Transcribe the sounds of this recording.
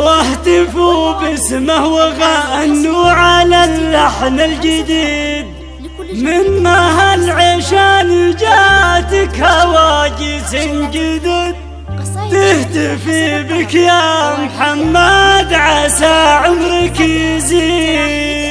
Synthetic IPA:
waħt̪ɪfubɪsmahwaɣaʔanːuʕalalːaħmɪld͡ʒɪd̪iːd̪ | mɪnːaɦalʕeʃanid͡ʒat̪ɪkhawad͡ʒɪsɪnd͡ʒɪd̪ɪd̪ | t̪ɪht̪ɪfibɪkjamħamːad̪ʕasaʕʊmɾɪkizi

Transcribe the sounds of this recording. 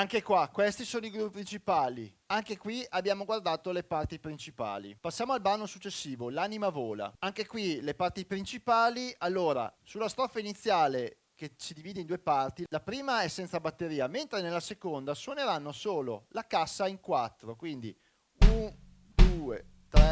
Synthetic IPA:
aŋkekwakwest̪isoːnoiɡɾupːipɾint͡ʃipaːli | aŋkekwiabːjaːmoɡward̪aːt̪olepart̪ipɾint͡ʃipa̰ːlḭpasːjaːmoalbanːosut͡ʃːesːiːvolanimavoːla̰aŋkekwilepart̪ipɾint͡ʃipaːlialːoːɾa̰sulːast̪ɾɔfːainit̪sːjaːle | k̟esid̪iviːd̪eind̪uːepart̪ilapɾiːmaɛsːɛnt̪sabat̪ːeɾiːament̪ɾenelːasekond̪aswoneɾanːosoːlo̰lakasːaiŋkwat̪ːɾokwind̪i | un | d̪uet̪ɾɛ

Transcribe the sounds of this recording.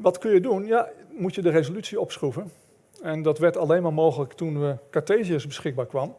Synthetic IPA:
ʋɑtkɵnjədunjamutjədərezolytsiɔpsχuvən | ɛndɑtʋɛɹtalejnmaːɹmoːxələktunʋəkaɹteziəsbəsχɪɡ̚baːɹkʋɑmə

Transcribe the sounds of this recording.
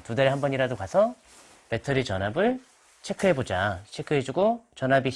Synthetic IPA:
tudaɾeɦambʌɲiɾadokwasʰʌ | pe̞tʰʌɾit͡ɕʌnɦabɯɭ | t͡ɕʰe̞kʰɯɦe̞bod͡ʑat͡ɕʰekʰɯɦed͡ʑuɡot͡ɕʌnɦabi

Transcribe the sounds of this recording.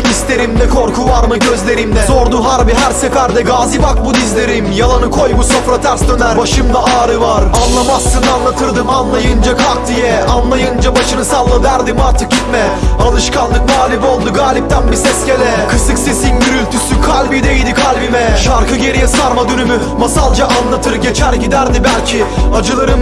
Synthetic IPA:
ist̪ʰe̞ɾimd̪ɛkʰo̞ɾkʰuvaɾmɯɟø̞zlʲeɾimd̪ɛso̞ɾd̪uɦaɾbiɦæɾsɛfæɾd̪ɛɡaːzibak̚bud̪izlʲe̞ɾimjalˠanɯkʰo̞jmuso̞fɾat̪ʰæɾsd̪ø̞næɾbaʃɯmd̪aaːɾɯvaɾanlˠamast̪ɯd̪anlˠat̪ʰɯɾd̪ɯmanlˠajɯnd͡ʒakʰak̚t̪ijɛanlˠajɯnd͡ʒabaʃɯnɯsalˠːɯd̪æɾd̪imaɾt̪ʰɯk̚ɟit̪mɛalˠɯʃkʰanlˠɯk̚maːlʲibo̞lˠd̪uɡaːlʲip̚t̪ʰænbisɛsce̞lʲɛkʰɯsɯksesinɟyɾylʲt̪ʰysykʰalʲbid̪e̞jid̪ikʰalʲbimɛʃaɾkɯɟe̞ɾijɛsaɾmad̪ynymy | masalˠd͡ʒaʔanlˠat̪ʰɯɾɟe̞t͡ʃʰæɾɟid̪æɾd̪ibælʲcʰiad͡ʒɯlˠaɾɯm

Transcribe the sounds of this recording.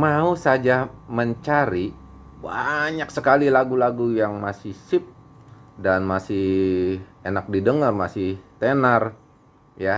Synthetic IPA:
mausad͡ʒaməɲt͡ʃaɾi | baɲaksəkalilaɡulaɡujaŋmasɪhsɪp̚ | danmasɪh | enak̚didəŋarmasɪht̪enar | ja

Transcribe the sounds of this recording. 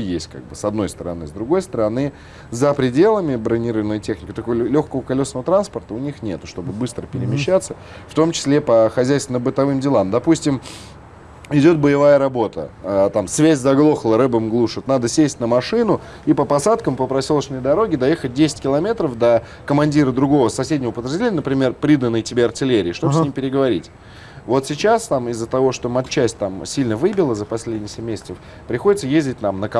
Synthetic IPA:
jesʲt̚ʲka̰ɡ̚bɨsɐd̪no̞jst̪əɾɐ̰nɨ̰zd̪ɾʊɡo̞jst̪əɾɐnɨ | zəpɾʲɪdʲe̞lˠəmʲɪbɾənʲiɾɨvnojtʲe̞xnʲɪkʲɪt̪ɐkovəlʲoxkəvəkɐlʲo̞snəvət̪ɾanspərt̪əʊnʲixnʲe̞t̪ʊʂt̪o̞bɨbɨst̪ɾəpʲɪɾʲɪmʲɪɕɕːat̪sːə | ft̪o̞mt͡ɕɪ̥sʲlʲepəxɐzʲæjst̪ʲɪnəbɨt̪ɐvɨmdʲɪlˠamd̪ɐpusʲtʲɪm | ɪdʲo̞t̪̚bəjɪvajəɾɐbo̞t̪ə̰at̪amsvʲæzʲzɐɡlˠo̞xəlˠəɾɛbɨmɡlˠuʂɨt̪nad̪əsʲesʲtʲnəmɐʂɨnʊ | ipəpɐsat̪kəmpəpɾɐsʲolˠət͡ɕnəjd̪ɐɾo̞ɡʲɪd̪ɐjexət̚ʲdʲesʲɪ̥tʲkʲɪlˠɐmʲet̪ɾəfd̪ə | kəmɐnʲdʲiɾəd̪ɾʊɡo̞vəsɐsʲedʲnʲɪvəpəd̪ɾʲɪʐdʲeenʲːənəpɾʲɪmʲe̞rpɾʲid̪ənːɨjtʲɪbʲeɐrtʲɪlʲeɾʲɪːʂt̪o̥snnimpʲɪɾʲɪɡəvɐɾʲḭtʲ | vo̞t̪sʲɪt͡ɕast̪amɪzːət̪ɐvo̞ʂt̪omɐt̪t͡ɕːæsʲtʲt̪amsʲilʲnəvɨbʲɪlˠəzəpɐsʲlʲedʲnʲɪjsʲemːʲesʲɪ̥t̪səf | pɾʲɪxodɪt̪səjezʲdʲɪt̚ʲnamnək

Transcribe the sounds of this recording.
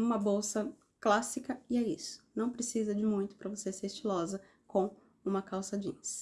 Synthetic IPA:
ũmɐbowsɐ | klasikɐɪɛisʊ̥nɐ̃w̃pɾesizɐd͡ʒɪmũj̃t̪ʊ̥pɾɐvoseseɾist͡ʃilɔzɐ | kõw̃ | ũmɐkawsad͡ʒḭ̃ɲs

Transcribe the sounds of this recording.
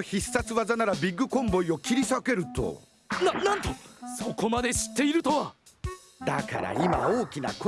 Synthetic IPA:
çisːat͡sɨβazanaɾabʲiɡːɯ̟kõ̞mbo̞io̞kʲiɾʲisake̞ɾɯ̟t̪o̰ | nanãnt̪o̞so̞ko̞mad̪e̞ɕi̥t̪ːe̞iɾɯ̟t̪o̞βa | d̪aka̰ɾa̰imao̞ːkʲina̰ko

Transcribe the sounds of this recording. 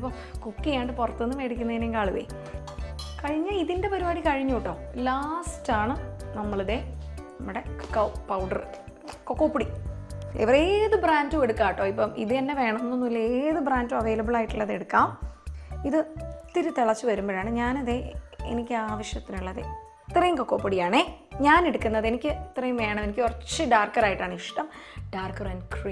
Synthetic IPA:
pːom | kukːijaːɳɖɨpurɐt̪ːuenːɨʋe̞ːɽik̬ʲːunːɐðineːŋkaːɭuʋɐ̰jḭ | kɐɻiɲːɐiðinde̞pɐɾibaːɽikɐɻiɲːuʈːoːlaːstaːɳɨnɐmːɐɭɐðe̞nɐmːuɽe̞kɐwpɐwɳɖɐr | kokːoːpːuɽiḛʋɐreːðɨbraːndumeɽukːaːʈːo̞ːipːoːmʔḭðɨenːe̞ʋe̞ːɳɐmenːonːulːɐeːðɨbraːnduɐʋe̞ːlɐbɨɭaːjiʈːulɭːɐðeɽukːaːm | iðɨt̪iɾut̪iɭɐt͡ɕːɨʋɐɾumboɾjaːɳɨɲaːnɐðe̞ḛnikʲːɨaːʋɐɕjɐt̪ːinuɭːɐðḛ | it̪ːrɐjumko̞kːo̞ːpːɐɽijaːɳeɲaːneɽukːunːɐðe̞nikʲːɨt̪rɐjumʋe̞ːɳɐme̞nikʲːorɐt͡ɕːɨɖaːrkːɐɾaːjiʈːaːɳɨiʂʈɐmɖ̥aːrkːɐrɐnkriː

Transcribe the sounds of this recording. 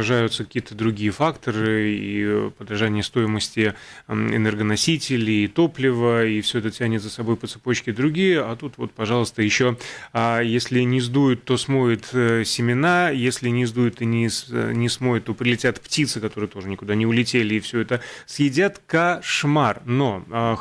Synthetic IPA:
ɐʐajʊt̪səkɐ̥kʲijət̪əd̪ɾʊɡʲijəfakt̪əɾɨḭpəd̪ɾɐʐanʲɪjəst̪o̞jɪməsʲtʲɪ | ɪ̰nɛrɡənɐsʲitʲɪlʲɪːt̪o̞plʲɪvəifsʲɵɛt̪ətʲænʲɪt̪zəsɐbo̞jpət̪sɨpo̞t͡ɕkʲɪd̪ɾʊɡʲijəat̪ut̪vo̞t̪̚pɐʐɑlˠəst̪əjɪɕːoajesʲlʲɪnʲɪzd̪ujʊt̪ːo̞smo̞jɪt̪sʲɪmʲɪnajesʲlʲɪnʲɪzd̪ujʊt̪ɨnʲɪnʲɪsmojɪt̪ːo̞pɾʲɪlʲɪtʲat̪ptʲit̪sɨkɐt̪o̞ɾɨjət̪o̞ʐɨnʲɪkʊd̪anʲɪʊlʲɪtʲelʲɪːfsʲɵɛt̪əsjɪdʲat̪kɐʂmarno̞

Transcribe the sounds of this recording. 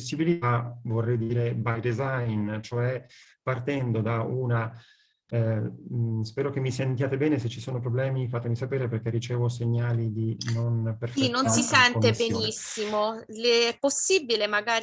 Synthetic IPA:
osːibilit̪avorːɛjd̪iːɾebajd̪ezajnt͡ʃoɛpart̪ɛnd̪od̪auːna | spɛːɾok̟emːisent̪jaːt̪ebɛːneset͡ʃːisoːnop̬ɾoblɛːmifaːt̪emisapɛːɾeperk̟erːit͡ʃɛːvoseɲːaːlid̪inonperfinːonssisɛnknt̪ebenisimo | ɛpːosːibilemaɡaːɾ

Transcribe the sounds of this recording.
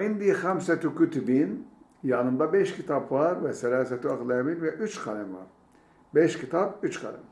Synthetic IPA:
ind̪ixæmsɛt̪ykyt̪ybin | janɯmd̪abɛʃcʰit̪ʰapvaɾvɛsɛlaːsɛt̪ʰiaklˠajabilʲvɛʔyt͡ʃkʰalʲɛmva̰ɾ | bɛʃcʰit̪ʰap̚yt͡ʃkʰa̰lɛ̰m

